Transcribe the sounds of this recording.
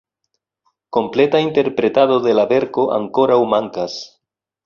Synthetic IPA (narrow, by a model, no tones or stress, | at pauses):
ko̞mplet̪aint̪e̞ɾpɾet̪aðoðelaβe̞ɾko̞ʔa̰ŋko̞ɾawmaŋkas